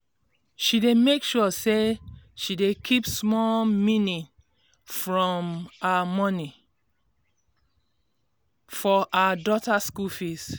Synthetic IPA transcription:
ʃidemekʃɔseʃidekʰipsmɔmĩnĩ | fɹɔ̃maamɔni | fɔaadɔtaskulfis

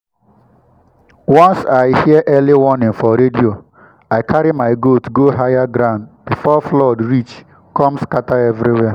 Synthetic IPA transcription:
wɔ̃nsaɪhiəʔɛliwɔnɪ̃ŋfɔɾedio | aɪkʰaɾimaɪɡotɡoɦajaɡɾãʊ̃ndbifɔflɔdɾit͡ʃ | kɔ̃mskataɛvɾiwɛ

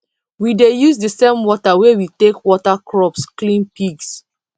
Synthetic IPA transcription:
widejuzdəsẽmwɔtawewitekwɔtakʰɹɔpsklĩnpiɡs

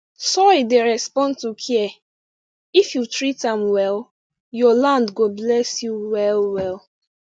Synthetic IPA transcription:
sɔideɹɛspɔ̃ndtukʰiɛ | ifjutɹitãmwɛlˠ | jɔlãndɡoblɛsjuwɛlwɛl

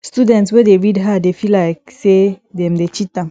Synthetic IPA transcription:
studɛ̃ntswedeɹidɦadefilaɪksedɛ̃mdet͡ʃitãm

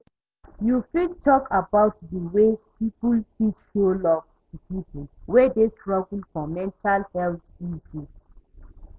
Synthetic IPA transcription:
jufidtʰɔkʰabaʊtdəwezpipulfiʃolɔvtupipulwedestɹɔɡulfɔ̃mːɛ̃ntʰalhɛltĩnsis

